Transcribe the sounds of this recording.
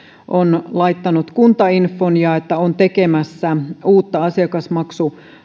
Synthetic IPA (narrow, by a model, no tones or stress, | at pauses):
ʔonlɑit̪ːɑnut̪kunt̪ɑinfːonjɑet̪ːæont̪ekemæsːæuːt̪ːɑɑsiɑkɑsmɑksu